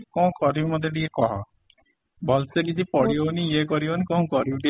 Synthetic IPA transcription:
kɔ̃kɔɾibmɔd̪ʱeɖiekɔɦɔ̰ | bɔlsekit͡ʃʰipɔɽioniekɔɾionikɔ̃ɦũkɔɾibɖi

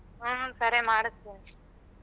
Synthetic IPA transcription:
ɯːsɐɾemaːɽɯt̪ːɯ

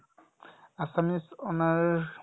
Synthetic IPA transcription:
asamisɔnaɾ

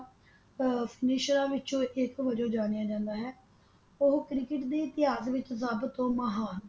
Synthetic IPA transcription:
pʰɪnɪːʃɾãːʋɪt͡ʃõːʔɪkʋəd͡ʒõːd͡ʒaːnjaːd͡ʒãːnd̪aːɦɛː | ʊɦkɾɪkɪʈd̪eːɪt̪ɪaːzʋɪt͡ʃzəbt̪õːməɦaːn

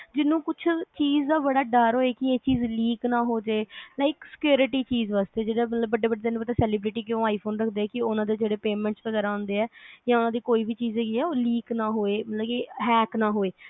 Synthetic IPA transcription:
d͡ʒɪnːũːkʊt͡ʃʰt͡ʃiːzd̪aːbəɽaːɖəːɾɦoːeːkɪeːt͡ʃiːzliːknãːɦoːd͡ʒeːlaːɪksɪ̥kjoːɾɪʈiːt͡ʃiːzʋaːst̪eːd͡ʒeːɽaːmət̪ləbːəɖːeːbəɖeːd̪enũːpət̪aːsɛːlɪːbɾɪʈiːk̬jõːaːipʰoːnɾəkʰd̪eːɛːkɪʊnãːd̪eːd͡ʒeːɽeːpeːmɛ̃ːɳʈspəɡɛːɾãːnd̪eːɛːjãːʊnãːd̪iːkoːiːbiːt͡ʃiːzeːɡiːɛːoːliːknaːɦoːeːmət̪ləbkeːɦɛːknaːɦoːeː

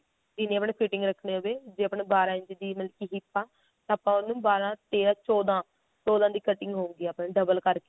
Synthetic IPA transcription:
d͡ʒɪneːapɳeːpʰiːʈɪŋɡɾəkʰɳeːoːbeːd͡ʒeːəpɳeːbaːɾãːɪ̃ɲt͡ʃd̪iːməlkiːɦɪpːaː | t̪aːpãːʊnːũːbaːɾãːt̪eːɾãːt͡ʃɔːd̪ãː | t͡ʃɔːd̪ãːd̪iːkəʈɪŋɡɦõːŋɡiːaːpnẽːɖəbəlkəɾkeː

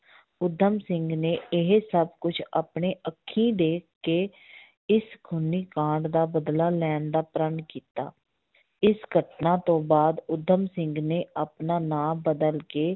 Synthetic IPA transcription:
ʊd̪ʱːəmsɪ̃ŋɡneːɪɦsəbkʊt͡ʃʰa̰ːpɳeːʔəkʰːĩːd̪eːkːeː | ɪsɡʱʊniːkãːɳɖd̪aːbəd̪laːlɛːnd̪aːpɾəɳkiːt̪a̰ː | ɪsɡʱəʈnaːt̪õːbaːd̪ʊd̪ʱːəmsɪ̃ŋɡneːʔaːpnaːnãːbəd̪əlkeː

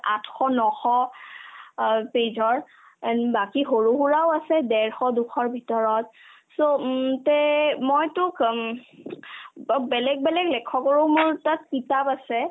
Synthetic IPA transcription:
a̰tʰxɔnɔxɔ | pezʱɔɹ | bakixoɹuɦuɹawasɛdɛɹxɔdukʰɔɹbʱitɔɹɔt̚ | sotɛmojtʊk | bɛlɛɡ̚bɛlɛɡlɛkʰɔkoɹʊmʊɹtat̚kitapasɛ

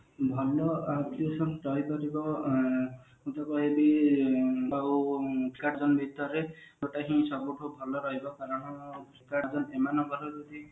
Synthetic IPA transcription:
bʱɔlɔat̪iosɔɾɔɦjpɔɾibɔ | ut̪ɔkɔebi | aukʰi̥kaɾd͡ʒɔnbʱit̪ɔɾeoʈaɦĩsɔbuʈʰubʱɔlɔɾɔɦibɔkaɾɔɽ̃ɔkɾikad͡ʒɔnemanɔɡʱɔɾɔɾud̪i

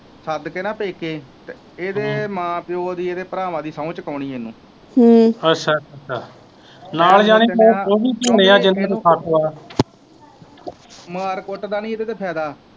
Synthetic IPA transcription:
səd̪kenãːpeːkeːt̪e | eːd̪eːmãːpɪjoːd̪iːeːd̪eːpəɾaːʋãːd̪iːsaũt͡ʃəkəːɳiːeːnũː | əʃʰaːət͡ʃʰːa̰ː | naːld͡ʒaːniːeːoːbiːt͡ʃonẽːaːd͡ʒɪnmət̪sʰaːkoːaː | məaɾkoʈd̪aːnĩːed̪eːd̪eːpʰɛːd̪aː

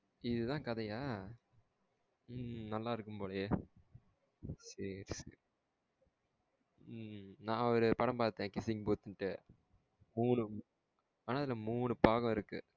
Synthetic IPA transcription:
ɪðɯt̪ãːkɐðɐjaː | nɐlːaːɪɾɯkːɯmpoːɽɐje | sɐɾsɐɾ | nãːɔɾɯpɐɽɐmpaːɾt̪ːẽːkɪsɪŋɡ̚poːt̪ːɯnʈːɯ | muːɳɯ | aːnaːɪðɪlɐmuːɳɯpaːɣɐ̃ɪɾɯkːɯ

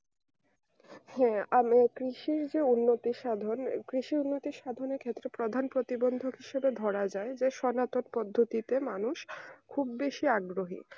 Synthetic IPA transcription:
hɛamekɾiʃiɾd͡ʑeunːot̪iʃad̪ʱonkɾiʃiunːot̪iʃad̪ʱoneɾkʰet̪ːɾepɾod̪ʱanpɾot̪ibond̪ʱokɦiʃebed̪ʱɔɾad͡ʑaed͡ʑeʃɔnat̪onpɔd̪ʱːot̪it̪emanuʃkʰubːeʃiaɡɾoɦḭ

